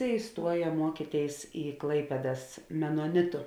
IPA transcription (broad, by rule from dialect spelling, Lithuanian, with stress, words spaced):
ɪˈstuɔjɛ ˈmuɔkʲiːtʲeːɪs iː ˈklˠɐɪpʲeːdɐs mʲɛnoːˈnʲɪtʊ